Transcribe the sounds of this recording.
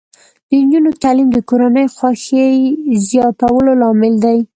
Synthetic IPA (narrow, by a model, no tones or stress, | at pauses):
d̪̥ənd͡ʒunot̪alimd̪əkoɾanəjxwɑxejzjɑt̪awəlolɑmɪld̪aj